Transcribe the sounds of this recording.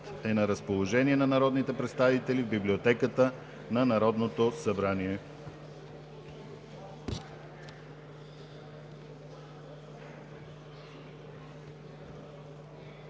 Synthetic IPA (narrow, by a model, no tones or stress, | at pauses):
t̪ɛnɐɾəspolˠoʒɛniɛnɐnɐɾɔd̪nit̪ɛpɾɛt̪st̪avit̪ɛlivbibliot̪ɛkət̪ə | nɐnɐɾɔd̪not̪osɐbɾaniɛ